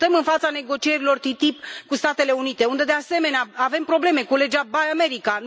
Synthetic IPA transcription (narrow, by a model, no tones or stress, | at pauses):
t̪əmɨnfat̪sane̞ɡo̞t͡ʃie̞ɾilo̞rt̪it̪ipkust̪at̪e̞le̞unit̪e̞und̪e̞d̪ease̞me̞neaave̞mpɾo̞ble̞me̞kule̞d͡ʒabajame̞ɾika